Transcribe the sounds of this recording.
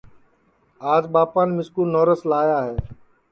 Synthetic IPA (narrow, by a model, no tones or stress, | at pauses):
aːd͡ʒɓaːpaːnmɪskuːnoːɾəslaːjaːɦɛː